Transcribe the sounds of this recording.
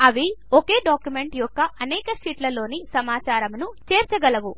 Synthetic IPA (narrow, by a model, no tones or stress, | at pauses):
ɐʋioke̞ːɖaːkjume̞ɳʈjɔkːɐʔɐneːkɐʂiːʈlɐlo̞ːnisɐmaːt͡ʃaːɾɐmnut͡ʃe̞ːɾt͡ʃɐɡɐlɐʋu